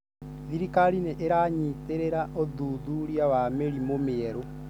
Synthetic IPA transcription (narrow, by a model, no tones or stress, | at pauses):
ðiɾikaɾineʔeɾaɲiteɾeɾaʔoðuːðuɾiawameɾimomeɛɾo